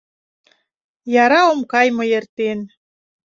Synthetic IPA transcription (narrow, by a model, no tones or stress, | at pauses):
jɑɾɑomkɑjməjert̪en